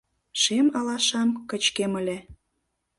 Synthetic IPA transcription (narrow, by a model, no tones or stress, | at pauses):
ʃemɑlɑʃɑmkə̆t͡ɕkeməlʲĕ